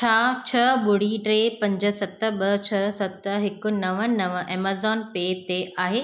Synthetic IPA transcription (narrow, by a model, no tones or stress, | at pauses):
t͡ɕʰaːt͡ɕʰɐɓʊɽ̤iʈɾeːpɐ̃ɲd͡ʑə̆sɐt̪ə̆ɓɐt͡ɕʰɐsɐt̪ɦɪkʊ̆nɐʋənɐʋəʔɛːmaːzɔːnpeːt̪eʔaːɦeː